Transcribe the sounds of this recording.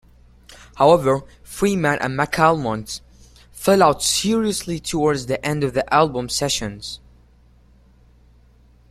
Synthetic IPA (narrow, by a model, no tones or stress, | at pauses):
haʊɛvə˞fɹimæ̃nʔɨ̰̃nmækʰalˠmɑ̃nt | fɛlˠaʊtsɪɹiɨslitʰəwɔɹdzðiʔɛ̃ndʌvðiʔælˠbə̃msɛʃɨ̃nz̥